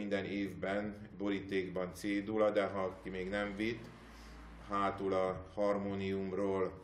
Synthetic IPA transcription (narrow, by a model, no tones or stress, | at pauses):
ind̪ɛneːvbɛnbo̞ɾiːt̪eːɡbɒnt̪seːd̪ulɒd̪ɛɦɒkimeːɡnɛɱvit̪ | ɦaːt̪ulɒhɒrmoniumroːl